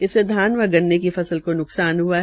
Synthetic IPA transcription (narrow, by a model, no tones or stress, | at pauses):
ɪsed̪ʱaːnʋɐɡɐnːekifɐsəlkonʊksaːnɦuaɦ